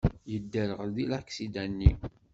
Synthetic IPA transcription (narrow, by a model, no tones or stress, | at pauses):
jəd̪ːəɾəʁəɾðilækːsid̪ænːi